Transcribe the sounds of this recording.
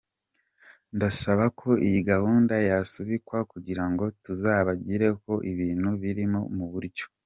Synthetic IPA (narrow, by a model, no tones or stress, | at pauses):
ndasaβakʰo̞ijiɡahuːndajasuβikwakuɟiɾaŋɡo̞tuzaːβaɟiɾe̞ko̞ʔiβiːnhuβiɾimomuβuɾɟo̞